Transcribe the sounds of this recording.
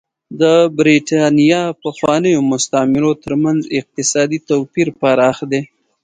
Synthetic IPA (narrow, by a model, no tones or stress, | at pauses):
d̪əbɾiʈɑnijɑpaxwɑnəjomʊst̪amɪɾot̪əɾmanzɪq̚t̪ɪsɑd̪it̪apiɾpaɾɑxd̪e